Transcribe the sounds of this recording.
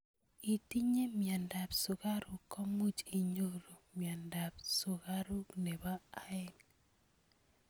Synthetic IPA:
i˨ti˦ɲe˦mja˨nda˨psʊ˨ɣa˦ɾʊ˨kːɔ˦mu˦t͡ʃi˨ɲo˦ɾo˨mja˨nda˨p̚sʊ˨ɣa˦ɾu˦kne˨βaː˦ɛ˦˨n

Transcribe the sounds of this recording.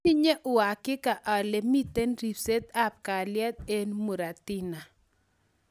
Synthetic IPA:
i˦ɲe˦ʔʊ˨a˨kɪ˦ka˨ʔa˨le˨mi˦t̪e˦nɾi˨pse˦t̪a˦p̚ka˨lɪjɛ˦t̪̚e˦nmu˨ɾa˨t̪i˦na˨

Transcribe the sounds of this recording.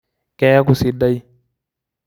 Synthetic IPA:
ke˦ja˦k̬u˨si˨da˦i˦

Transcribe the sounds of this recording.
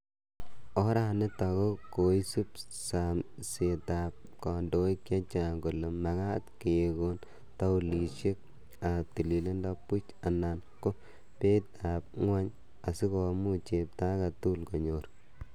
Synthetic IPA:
ɔ˦ɾa˦ne˦ta˨ko˦ko˨i˦su˦psa˨mse˨ta˨p̚ | kɔ˨ndo˨i˦kːa˦t͡ʃa˨ŋɡo˨le˨ma˨ɡa˦tke˨e˨ɡo˦n | ta˦u˨li˨ʃe˦k̚ | a˨p̚ti˨li˨le˦nda˦pu˦t͡ʃa˨na˨nko˦ | pe˦ta˨p̚ŋwa˦ɲ | a˨si˦kɔ˨mu˦t͡ʃe˨p̚ta˦ka˨tu˦lko˨ɲoː˨ɾ

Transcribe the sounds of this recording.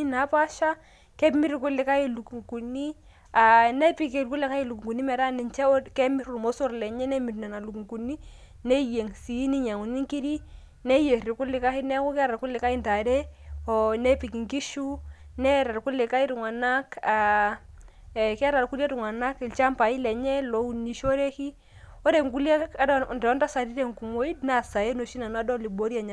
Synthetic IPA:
i˦na˨˦pa˦ʃa˦ | kɛ˦pmi˦ɾɪ˨kʊ˦lːɪ˨ka˦ji˦lu˨ku˨ŋku˨ni˦ | a˨nɛ˦pi˨ke˨lku˦lɪ˨ka˦jɪ˦˨lu˨ku˨ŋɡu˨ni˦mɛ˨ɾa˦nɪ˨nt͡ʃɛ˦kɛ˦mɪ˦ɾʊ˨ɾmo˦so˦ɾlɛ˨ɲɛ˦nɛ˦mi˨tnɛ˨na˨lu˨ku˨ŋku˨nːi˦ | ne˦je˨ŋsi˨˦ni˦ɲa˨ŋu˨ni˦ŋki˦ɾi˦ | nɛ˦je˨ɾɪ˨kʊ˦lɪ˨ka˦hɪ˦nɛ˦kʊ˦kɛ˦ɾa˨kʊ˦lːɪ˨ka˦ɪ˦nta˨ɾe˦o˨ne˦pi˨ki˨ŋki˦ʃu˦nɛ˦ɾa˨ɾku˦lɪ˨ka˦i˦ɾu˨ŋa˨na˦ka˨ | ka˦ɾa˨lku˦li˦e˦tu˨ŋa˨na˦ki˨lt͡ʃa˦mpa˨i˦lɛ˨ɲɛ˦lo˨u˦ni˨ʃo˦ɾe˦ki˦ | o˦ɾe˨ŋku˦li˦e˦a˦ddɔ˨˦nta˦sa˨di˦de˦˨ŋku˨mo˦i˦dna˦˨sa˨je˦no˨ʃi˦na˨n˦a˦dɔ˦li˨bo˨˦ɾi˦a˨ɲa˨

